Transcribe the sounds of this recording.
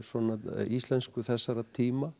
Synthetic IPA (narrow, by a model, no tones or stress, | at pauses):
svɔnaist̪lɛnskʏθɛsːaɾat̪ʰiːma